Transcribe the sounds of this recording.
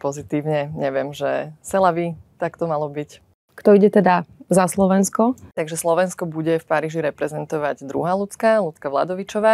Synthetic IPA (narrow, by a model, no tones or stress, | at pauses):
pɔzit̪iːʊɲɛɲɛʋɪɛmʒɛsɛlaʋit̪akt̪ɔmalɔbic | kt̪ɔiɟɛt̪ɛd̪azaslɔʋɛnskɔt̪aɡʒɛslɔʋɛnskɔbuɟɛfpaɾiːʒiɾɛpɾɛzɛnt̪ɔʋaɟd̪ɾṵɦaːlut͡skalut͡skaʋla̰d̪ɔʋit͡ʃɔʋaː